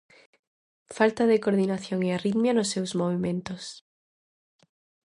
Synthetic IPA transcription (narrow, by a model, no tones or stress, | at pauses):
falt̪aðekoɾðinaθjoŋeariðmjanʊsːewzmoβ̞imẽnt̪os